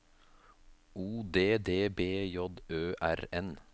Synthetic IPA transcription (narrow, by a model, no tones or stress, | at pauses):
uːd̪eːd̪eːbeːjɔd̪øːʔæɾɛn